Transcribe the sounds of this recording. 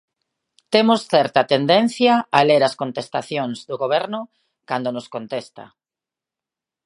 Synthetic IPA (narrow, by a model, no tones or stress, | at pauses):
t̪emosθɛɾt̪at̪end̪en̟θjaaleɾɐskont̪est̪aθjoŋzðʊɣoβ̞ɛɾnʊ | kand̪onoskont̪est̪a̰